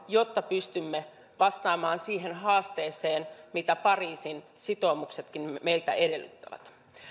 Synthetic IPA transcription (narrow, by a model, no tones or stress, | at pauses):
jo̞t̪ːɑpyst̪ymːe | ʋɑst̪ɑːmɑːnsiːɦenɦɑːst̪e̞ːseːnmit̪æpɑriːsinsit̪o̞ːmukse̞t̪kinme̞jlt̪æ̰ede̞lːy̰t̪ːæʋæ̰t̪